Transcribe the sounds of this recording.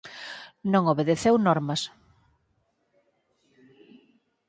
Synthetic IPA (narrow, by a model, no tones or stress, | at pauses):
nõŋoβeðeθewnɔɾmɐs